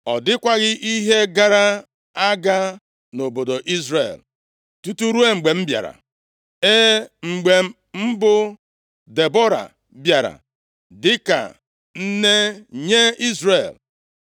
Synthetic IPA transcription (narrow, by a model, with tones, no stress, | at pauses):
ɔ˨dɪ˦kʷa˦ɣɪ˦ʔi˦ɦe˦ɡa˦ɾa˦ | a˦ɡa˦ | no˨bo˨do˨ʔi˦zɾḛ˨l | tu˦tu˦ɾu˦e˦ŋ͡m̩˨ɡ͡be˨m̩˦bja̰˨ɾa̰˨ | e˦ŋ͡m̩˨ɡ͡be˨m̩˦m̩˦bʊ˦ | de˨bo˦ɾa̰˨ | bja˨ɾa̰˨ | dɪ˦ka̰˨ | n̩˦ne˦ɲe˦i˦zre˦˨l